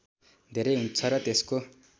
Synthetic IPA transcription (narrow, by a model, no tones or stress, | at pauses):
d̪ʱeɾeɦunt͡sʰʌɾʌt̪esko